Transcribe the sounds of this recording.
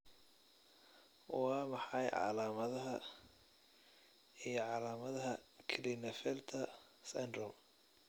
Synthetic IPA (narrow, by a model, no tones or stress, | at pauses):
wɑːmɑħɑjʕɑ̰laːmɐðɐɦɐ | ijɞʕɑlaːmɐðɐɦɐkʰlinɛfɛlt̪ʰɐ | sɛnd̪ɾɔm